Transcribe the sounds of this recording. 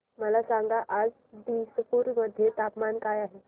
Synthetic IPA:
məlasãŋɡaʔad͡z | d̪ispuːɾməd̪ʱːjet̪apmankajaɦe

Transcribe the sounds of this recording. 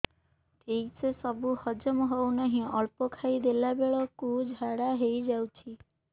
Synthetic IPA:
t̪eisesɔbuhɔd͡ʒɔmɔɦownaɦĩɔlpɔkʰaid̪elabeɭɔkud͡ʒʱaɽaɦejd͡ʒawt͡ʃʰi

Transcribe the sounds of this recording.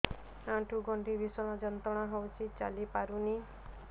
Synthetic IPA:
ãʈuɡɔɳʈiɾisɔɽ̃ɔd͡ʒɔnt̪ɔɽ̃ɔɦɔwt͡ʃʰit͡ʃa̰lipaɾuni

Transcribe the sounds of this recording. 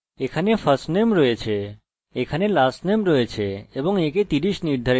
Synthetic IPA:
ekʰanefʰəɾsʈnemɾɔjet͡ɕʰe | ekʰanelasnemɾɔet͡ɕʰeeboŋeket̪iɾiʃniɾd̪ʱaɾ

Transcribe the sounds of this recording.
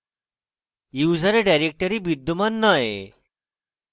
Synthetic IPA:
juːd͡zaɾeɖajɾek̚ʈəɾibid̪ːumanːajḛ

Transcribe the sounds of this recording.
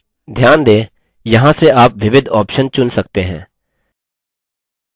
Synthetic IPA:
d̪ʱjaːnd̪eː | jɐɦãseʔaːpʋɪʋɪd̪ʱɔːpʃənt͡ʃʊnsɐk̚t̪eɦɛ̃ː

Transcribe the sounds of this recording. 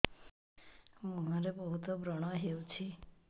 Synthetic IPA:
məɦaɾebəɦut̪obɾəɽ̃aɦeʋt͡ʃʰi

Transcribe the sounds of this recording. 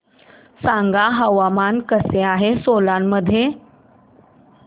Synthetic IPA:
sãŋɡaɦəʋamankəseaɦesolanməd̪ʱje

